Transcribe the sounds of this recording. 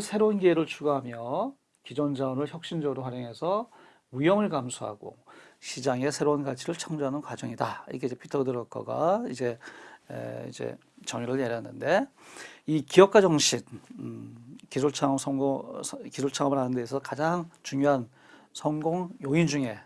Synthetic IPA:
sʰe̞ɾounɡieɾɯɭt͡ɕʰuɡoɦamjʌ | kid͡ʑʌnd͡ʑaʌnɯɭçjʌk̚ɕ͈ind͡ʑʌɡɯɾoɸwaɾjʌŋɦe̞sʰʌ | ujʌŋɯɭkamsʰuɦa̰ɡ̥o̰ɕʰid͡ʑaŋe̞sʰe̞ɾounɡat͡ɕʰiɾɯɭt͡ɕʰʌŋd͡ʑoɦanɯnkwad͡ʑʌŋidaḭɾʌkʰeid͡ʑe̞pʰitʰʌdɯɾʌk͈ʰʌ̰ɡa̰id͡ʑe̞̰ | ḭd͡ʑe̞̰ | t͡ɕʌŋjoɾɯɭjeɾjanːɯnde̞ | ikiʌk͈ad͡ʑʌŋɕʰin | kis̬ʰuɭt͡ɕʰaʌmsʰʌŋokisʰuɭt͡ɕʰaʌmɯɭɦanɯndeːs̬ʰʌʌkad͡ʑaŋt͡ɕuŋjoɦan | sʰʌŋɡoŋjoind͡ʑuŋe̞

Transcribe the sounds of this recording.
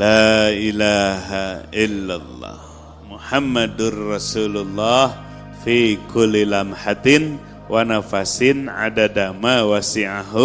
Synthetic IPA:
laʔilaɦaʔɪlːalˤːɑ̰h | mʊħamːad̪nrɑsuːlʊlːɑh | fikʊlːilamħat̪ɪn | wanafasɪnʕa̰dadamawasɪʕaɦʊ

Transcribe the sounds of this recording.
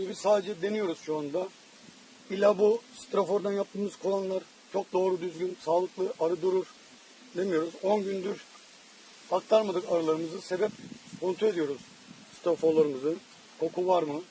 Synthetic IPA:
ibizsaːd̪e̞d͡ʒɛd̪e̞nijo̞ɾuz̥ʃuand̪a | ilʲabust̪ɾofo̞ɾd̪anjap̚t̪ʰɯːmɯz̥kʰolˠanlˠaɾ | t͡ʃʰo̞k̚d̪o̞ːɾud̪yzɡynsaːlˠɯklˠɯʔaɾɯd̪uɾuɾ | d̪e̞mijo̞ɾuzo̞nɟynd̪yɾ | ak̚t̪ʰaɾmad̪ɯkaɾɯlˠaɾɯmɯzɯse̞bɛp̚kʰo̞nt̪ʰe̞d̪ijo̞ɾuz̥ | st̪ʰɾofolˠaɾɯmɯzɯ | kʰo̞kʰuvaɾmɯ

